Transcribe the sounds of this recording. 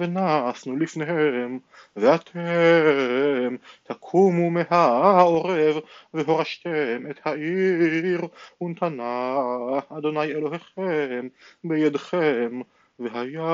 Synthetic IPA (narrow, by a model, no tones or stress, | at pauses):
venasnulifneɦem | veat̪ʰe | mt̪ʰakʰumumeɦao̞ʁevveɦo̞ʁaʃt̪emet̪haʔiʁunt̪ʰanaː | d̪o̞najelo̞ɦeχembejad̪χem | veɦaja